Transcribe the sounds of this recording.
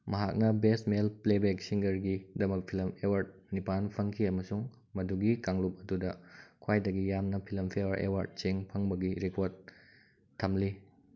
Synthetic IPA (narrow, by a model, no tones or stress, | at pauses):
mɐɦak̚nɐbesmelplebek̚siŋɡɐɾɡidɐmɐk̚pʰilɐmewɐɾd̚nipanpʰɐŋkʰiɐmɐsuŋ | mɐduɡikaŋlup̚ɐdudɐkʰwajdɐɡijamnɐpʰilɐmpʰewɐɾʔḛwɐɾd̚t͡ʃeŋpʰɐŋbɐɡiɾekoɾd | tʰːɐmli